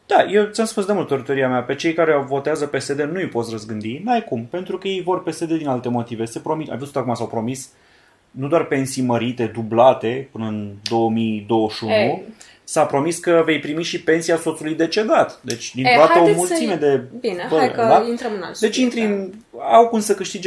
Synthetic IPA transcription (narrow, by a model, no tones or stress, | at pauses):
d̪̥aje̞wt̪sʲamspunsd̪e̞mult̪t̪əɾət̪oɾiameape̞t͡ʃejkaɾevo̞t̪eazəpe̞se̞d̪e̞nuipo̞t̪srəzɡɨnd̪inajkumpe̞nt̪ɾukəje̞jvo̞rpe̞sed̪e̞d̪inalt̪e̞mo̞t̪ive̞sepɾo̞mit̪a̰jvust̪akumasawpɾo̞mis | nud̪oarpe̞nsijməɾit̪e̞d̪ublat̪e̞pɨnəɨnd̪o̞əmid̪o̞wəʃunu | sapɾo̞miskəve̞jpɾimiʃipe̞nsiaso̞t̪sulujd̪e̞t͡ʃe̞d̪at̪d̪e̞t͡ʃʲd̪inɾod̪aəomult̪simed̪e̞binepəd̪aint̪ɾəmɨna̰ld̪e̞t͡ʃint̪ɾinawkumsəkɨʃt̪id͡ʒ